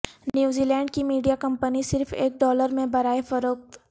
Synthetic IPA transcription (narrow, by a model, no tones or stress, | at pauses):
njuːziːlɛ̃ːɳɖ̚kimiːɖijakɐ̃mpənisɪɾfeːk̚ɖɔːləɾmẽbɐɾaːefɐɾoːk̚t̪